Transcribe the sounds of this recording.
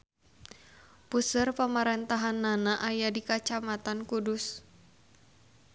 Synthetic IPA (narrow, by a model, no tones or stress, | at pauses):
pusərpəmaɾɛnt̪aɦanːanaʔajadikat͡ʃamat̪ankudʊs